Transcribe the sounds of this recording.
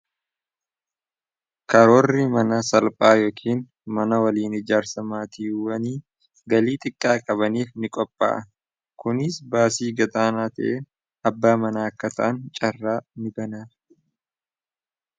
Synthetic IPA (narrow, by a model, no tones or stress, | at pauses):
kɐɾoːrːɪmɐnɐsɐlpʼaːjoːkʰiːn | mɐnɐwɐliːnɪd͡ʒaːɾsɐmaːt̪iːwɐniː | ɡɐliːt̪ʼɪkʼːaːkʼɐβɐniːfnɪkʼɔpʼːa̰ːʔɐ | kʊnɪsbaːsiːɡɐd̪ʼaːnaːt̪ɐ̰ʔeːn | ɐbːaːmɐnaːɐkːɐt̪ʰɐʔɐnt͡ʃʼɐrːaːnɪbɐnaː